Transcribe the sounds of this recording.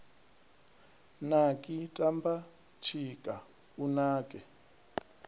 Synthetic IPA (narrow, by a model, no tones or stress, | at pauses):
nakʼitʼamba | t͡ʃʰikʼa | unaːkʼɛ